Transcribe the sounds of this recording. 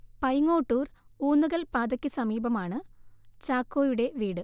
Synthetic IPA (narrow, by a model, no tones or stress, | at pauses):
pɐjŋːo̞ːʈːuːruːnːuɣɐlpaːd̪ɐkʲːɨsɐmiːbɐmaːɳɨt͡ɕaːkːo̞ːjuɽe̞ʋiːɽɨ